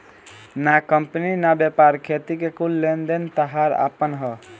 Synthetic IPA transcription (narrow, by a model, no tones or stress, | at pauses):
nakəmpninabepaɾkʰet̪ikekulːend̪ent̪əɦaɾa̰pənɦə